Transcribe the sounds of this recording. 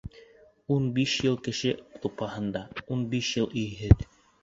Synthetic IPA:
unbiʃjɤlˠkɘ̆ʃɘt̪upɑhɤ̆nd̪ɑunbiʃjɤlˠɵ̆jɦɘð

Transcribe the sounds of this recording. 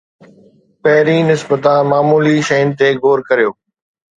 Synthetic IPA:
pɐɦɾinɪsbət̪ãmaːmuːliʃɐjnɪ̆t̪eɡʱoːɾkɐɾijoː

